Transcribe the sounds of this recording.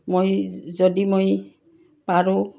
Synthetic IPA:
mojzɔdimoj | paɹʊ

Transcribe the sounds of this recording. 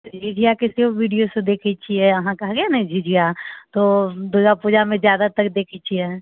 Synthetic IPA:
d͡ʒid͡ʒʱijakɪsioʋiːɖijosed̪eːkʰit͡ʃʰiɛɐɦãkɐɦɡejanɐɦĩd͡ʒʱid͡ʒʱijat̪oːd̪ud͡ʒapud͡ʒamẽzjaːd̪at̪ɐkd̪eːkʰit͡ʃʰiɛ

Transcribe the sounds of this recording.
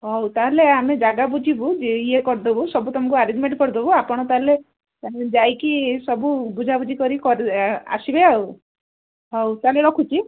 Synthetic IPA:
ɦɔwt̪aɦeleamed͡ʒaɡabud͡ʒʱibud͡ʒiekɔɾd̪obusɔbut̪ɔm̤ɔŋkuaɾed͡ʒmeɳʈkɔɾd̪obuapɔɽ̃ɔt̪aɦle | d͡ʒajkisɔbubud͡ʒʱabud͡ʒʱikɔɾikɔɾa̰sibeaw | ɦɔwt̪aɦleɽɔkʰut͡ʃʰi

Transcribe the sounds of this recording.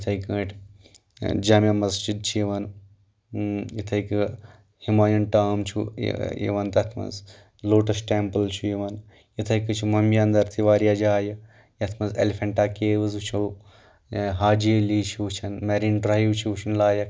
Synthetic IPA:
jit̪ʰɐikəʈʰ | d͡ʒaːmɐmɐzd͡ʒid̪̚t͡ʃʰiiʋɐn | jit̪ʰɐik | himaːjɐnʈaːmt͡ʃʰṵjḭʋɐnt̪ɐt̪ʰmɐ̰nz | loːʈɐsʈempəlt͡ʃʰujiʋɐn | jit̪ʰɐkɨt͡ʃʰumɐmiaːnd̪ɐɾt̪ʰiʋaːɾijaːd͡ʒaːjɐ | jɐt̪ʰmɐzḛlifʰɐɳʈaːkeːʋɨzut͡ʃʰuw | ɦaːd͡ʒieliːt͡ʃʰiʋut͡ʃʰɐnmeɾiːnɖɾajiʋt͡ʃʰiʋt͡ʃʰɐnlaːjɐk

